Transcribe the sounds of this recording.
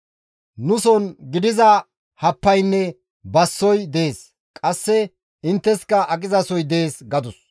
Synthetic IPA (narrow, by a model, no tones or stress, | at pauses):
nʊsɔnɡɪd̪ɪzɐ | hɐpːɐjnːɛ | bɐsːɔjd̪eeːs | kʼɐsːɛ | ɪnt̪ːɛskɐʔɐkʼɪzɐsɔjd̪eeːsɡɐd̪ʊs